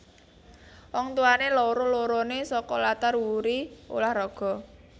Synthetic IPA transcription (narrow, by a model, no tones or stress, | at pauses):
wɔŋt̪uanelɔɾoloɾɔnesɔkɔlat̪arwuɾio̰lahrɔɡ̥ɔ̤